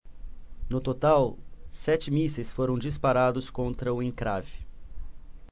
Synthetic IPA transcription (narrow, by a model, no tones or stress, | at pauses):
nʊt̪ot̪awsɛt͡ʃɪmisesfoɾɐ̃w̃d͡ʒispaɾad̪ʊskõnt̪ɾɐʊẽŋkɾavɪ